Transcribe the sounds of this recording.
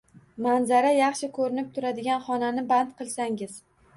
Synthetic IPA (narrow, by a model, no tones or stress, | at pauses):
manzaɾajɑχʃɪkʰɵɾɪnɪp̚t̪ʰʊɾad̪ɪɡʲanχɒnanɪbant̪qʰɨlˠsaŋɪz̥